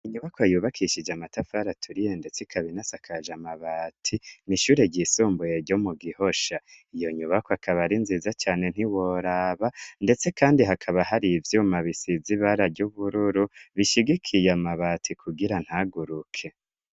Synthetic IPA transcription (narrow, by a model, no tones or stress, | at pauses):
iɲuβakoajuːβakʰiʃid͡ʒamatafaɾatʰuɾijende̞t͡sikʰaβinasakʰaʒamaβaːtʰiniʃuːɾe̞ɟisuːmbujeɾɟo̞muɡiho̞ʃaijo̞ɲuβakoakʰaβaɾinziːzat͡ʃaːne̞n̥hiwo̞ɾaβande̞t͡se̞kaːndiɦakʰaβaɦaɾivjuːmaβisiziβaɾaɟuβuɾuɾuβiʃiɡikʰijamaβaːtʰikʰuɡiɾan̥haɡuɾukʰe̞